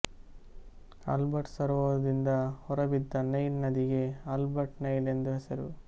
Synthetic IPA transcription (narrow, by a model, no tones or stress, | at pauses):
ɐ̰lbɐʈsɐɾʋɐɐɐd̪ind̪ɐhɔɾɐbid̪ːɐnɐjlnɐd̪iɡe̞ɐlbɐʈnɐjlend̪uɦesɐɾu